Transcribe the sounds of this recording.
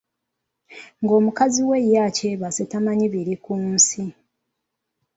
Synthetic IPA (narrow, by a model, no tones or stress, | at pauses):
ŋɡo̞ːmukaziwe̞jːace̞ːβasetamaɲiβiɾikuːnsi